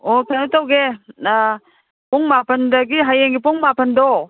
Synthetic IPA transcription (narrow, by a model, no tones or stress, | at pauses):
otʰɐntawɡe | pɔŋmapʰɐndɐɡiɦajeŋɡipɔŋmapɐndɔ